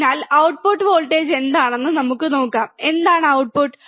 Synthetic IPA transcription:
naːlɐwʈpuʈːɨʋoːlʈːeːd͡ʑe̞nd̪aːɳenːɨnɐmukːɨno̞ːkːaːme̞nd̪aːɳɨɐwʈ̚puʈː

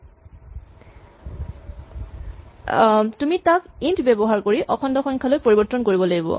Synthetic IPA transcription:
tumitakintʰbebɔɦaɹkoɹiʔɔkʰɔndɔxɔŋkʰalojpoɹibɔtːɔnkoɹibɔlaɡibɔ̰

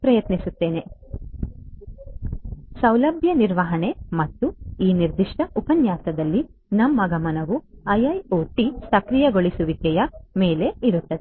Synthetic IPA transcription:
pɾɐjɐt̪nisut̪ːe̞ːne̞ | sɐwlɐbʱjɐniɾʋɐɦɐɳe̞mɐt̪ːuiːniɾd̪iʂʈɐʔupɐnjaːt̪ɐd̪ɐlːi | nɐmːɐɡɐmɐnɐʋuɐjɐjoːʈisɐkɾijɐɡoɭisuʋit̪ɛjɐmeːle̞iɾut̪ːɐd̪e

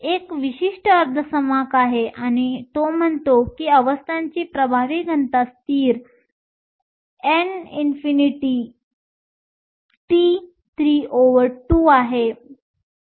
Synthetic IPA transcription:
ekʋiɕiʂʈəəɾd̪ʱəsəmakaɦeʔañit̪om̤əɳt̪okiːəʋəst̪ʰãɲt͡ɕiːpɾəbʱaʋiɡʱənt̪ast̪iːɾ | eninfiniʈi | ʈiː | t̪ʰɾioʋəɾʈuːaɦe

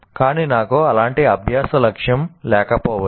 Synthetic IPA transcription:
kaːniːnaːkuɐlaːɳʈiɐbʱjaːsɐlɐkʂjɐmlɛːkɐpɔːʋɐ

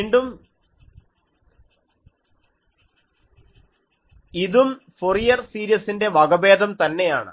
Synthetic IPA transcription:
iːɳɖum | iðumforijɐrsiːɾijɐsinde̞ʋɐɡɐbe̞ːd̪ʱɐmt̪ɐnːe̞ja̰ːɳɨ̰

